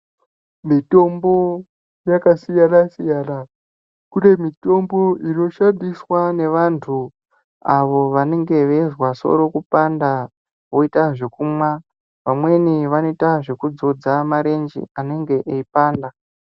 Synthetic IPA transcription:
mito̞mbo̞ | jakasijanasijaːna | kune̞mito̞mbo̞ino̞ʃandiswane̞ʋantʰu | aʋo̞ʋane̞ŋɡe̞ʋe̞zwaso̞̰ɾo̞kupanda | ʋo̞itaʐe̞kumwa | ʋamwe̞niʋano̞itaʐe̞kud͡zo̞d͡zamaɾe̞nd͡ʒḭane̞ŋɡe̞ʔeipaːnda

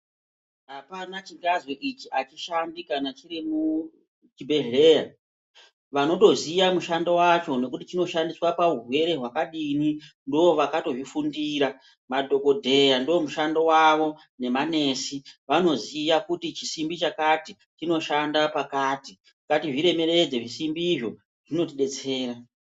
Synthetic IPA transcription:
apanat͡ʃiŋɡazwoʔit͡ʃiʔat͡ʃiʃandikanat͡ʃiɾimu | t͡ʃibʱe̞ɦe̞ːja | ʋano̞to̞ziʋamuʃandowat͡ʃo̞no̞kutit͡ʃino̞ʃandiswapaurwe̞ɾe̞ɦwakaɗinindooʋakato̞ʐifundiɾa | madʱo̞ko̞dʱe̞jandoomuʃandowaʋo̞ | ne̞mane̞ːsiʋano̞ziʋakutit͡ʃisimbit͡ʃakati | t͡ʃino̞ʃandapakaːti | ikatiʐiɾe̞me̞ɾe̞d͡zeʐisimbiʐo̞ | ʐ̥ino̞tiɗe̞t͡seːɾa

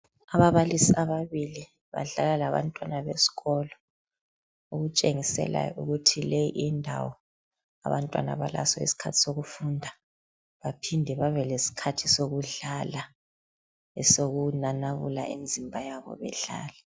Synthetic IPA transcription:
aβaβalisiaβaβili | βa̰ɮalalaβa̰ntʼwanaβesi̥ɣɔlɔ | uɣut͡ʃʼeŋisɛ̰la̰jɔʔṵɣutʰilejiʔindʱawɔ | a̰βantʼwa̰na̰βa̰la̰sɔḭsi̥kʰatʰi̥soɣufundʱa | βapʰindʱɛβaβɛlesi̥kʰatʰisoɣuɮala | ɛsoɣunanaɣula̰ʔimd͡zʱimbʱajaβɔ̰βɛ̰ɮa̰ːlɛ

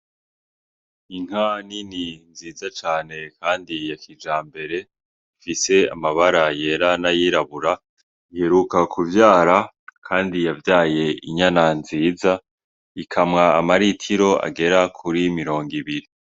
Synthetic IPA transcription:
iŋ̥anininziːzat͡ʃaːne̞kʰaːndijakʰid͡ʒaːmbe̞ɾe̞ | ifise̞a̰maβaɾaje̞ːɾanajiːɾaβuɾa | ihe̞ɾukakʰuvjaːɾa | kʰaːndijavjaːje̞iɲananziːza | ikʰamŋaːmaɾitʰiɾo̞a̰ɡe̞ɾakʰuɾimiɾo̞ːŋɡiβiɾi

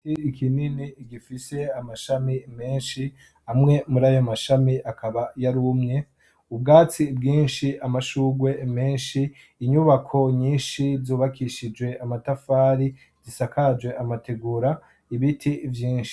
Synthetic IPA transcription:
iːkʰininiːɡifise̞amaʃamime̞ːnʃi | amŋe̞muɾajo̞maʃamiakaβajaɾumɲe̞ | ub̚ɡaːt͡sib̚ɡiːnʃiamaʃuːɡwe̞me̞ːnʃiː | ɲuβakʰo̞ɲiːnʃivzuːβakʰiʃid͡ʒwe̞amatafaːɾi | z̥isakʰad͡ʒwe̞ʔamate̞ɡuːɾa | iβitʰivjiːnʃi̥

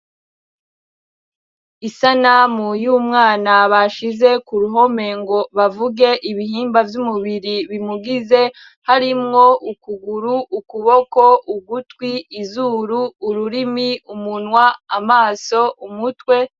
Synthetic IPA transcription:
isanamujuːmŋaːnaβaʃize̞kuɾuɦo̞me̞ŋɡo̞βavuɡe̞ʔiβihiːmbavjumuβiɾiβimuɡize̞ | haɾimŋo̞ʔukuɡuɾuʔːkuβo̞kouɡutwiːzuːɾuːɾuɾimiumunwaːmaːso̞ʔumutwe̞

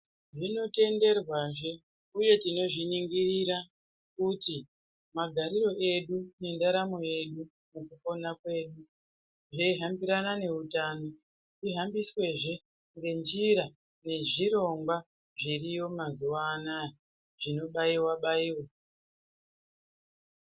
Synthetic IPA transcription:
ʐino̞te̞nde̞rwaʐe̞ | uje̞tino̞ʐiniŋɡiriɾa | kuti | maɡʱaɾiɾo̞ʔe̞ɗune̞ndaɾamoje̞ɗu | mukuko̞nakwe̞ːɗu | ʐeiɦambiɾanane̞utaːno̞ | tiɦambiswe̞ʐe̞ | ŋɡe̞nd͡ʒiɾa | ne̞ʐiɾo̞ŋɡwa | ʐirijo̞mazuwaːnae | ʐino̞ɓaiwaɓaiwa

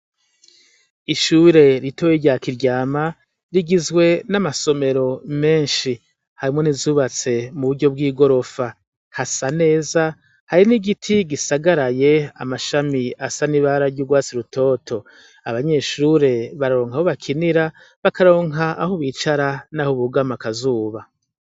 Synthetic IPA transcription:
iʃuːɾe̞ɾitowiɾɟaːkiɾɟaːma | ɾiɡizɡwe̞namaso̞me̞ɾo̞me̞ːnʃi | haɾimŋo̞nizuːβat͡se̞muβuɾɟo̞b̚ɡiːɡo̞ɾo̞fa | hasane̞ːza | haɾiniɡitʰiɡisaɡaɾajea̰maʃamiasaniβaɾaɾɟuːɡwaːt͡siɾutʰo̞ːtʰo̞ | aβaɲe̞ʃuɾe̞βaɾaɾoːŋhahoβakʰiniɾa | βakaɾo̞ːŋɦaahoβiːt͡ʃaɾanahoβuɡamakazuːβa

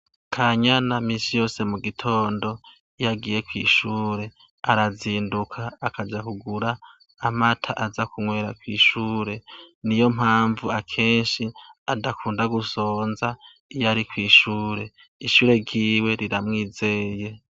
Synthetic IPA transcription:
kʰaɲanaminsijo̞ːse̞muɡitʰo̞ːndo̞ | ijaɡiːje̞kwḭːʃuːɾe̞ | aɾaziːndukʰaːkad͡ʒakuɡuɾaː | matʰaʔazakʰuŋwe̞ːɾakwiːʃuːɾe̞nijo̞m̥haːɱvuakʰe̞ːnʃiadakʰuːndaɡuso̞ːnza | ijaɾikwiːʃuːɾe̞ | iʃuːɾe̞ɡɟiːwe̞ɾiɾamŋiːze̞je̞

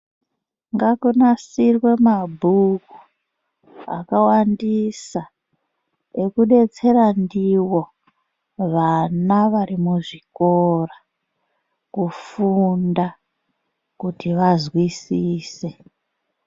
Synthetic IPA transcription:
ŋɡakunasirwe̞mabʱuku̥ | a̰kawandisa | ekuɗe̞t͡se̞randiwo̞ | ʋanaʋaɾimuʐikora | kufunda | kutiʋazwisiːse

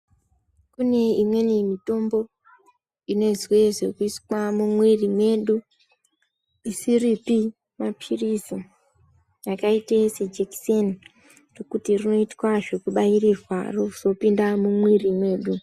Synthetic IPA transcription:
kune̞imwe̞nimito̞mbo̞ | ine̞zwe̞ʐe̞kuiswamumwirimwe̞ɗu | isiripi | mapʰirisi | jakaitesed͡ʒeksen | rokutirino̞itwaʐe̞kuɓairizwa̰rou̥so̞pindamumwirimwe̞ːɗu

